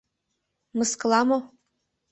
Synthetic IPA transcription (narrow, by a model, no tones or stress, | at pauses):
mɨsklˠɑmo